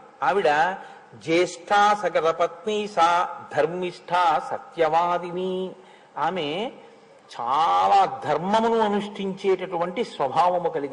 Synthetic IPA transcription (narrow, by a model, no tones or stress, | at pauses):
ɐʋiɽɐ | d͡ʒeːʂʈʰaːsɐkɐɾɐpɐt̪̚niːsad̪ʱɐɾmiʂʈʰaːsɐt̪jɐʋaːd̪ini | aːme | t͡ʃaːlaːd̪ʱɐɾmɐmɐnuɐnuʂʈʰiɲt͡ʃeːʈɐʈuʋɐɳʈisʋɐbʱaːʋɐmukɐliɡi